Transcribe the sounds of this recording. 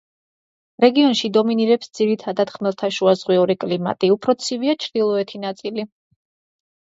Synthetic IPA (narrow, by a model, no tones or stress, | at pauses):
ɾɛɡiɔnʃid̪ɔminiɾɛpsd̪z̥iɾit̪ʰad̪at̪χmɛlˠt̪ʰaʃuazʁwiuɾikʼlima̰t̪ʼiupʰɾɔt̪sʰiviat͡ʃʰɾd̪̥ilˠɔɛt̪ʰinat̪sʼili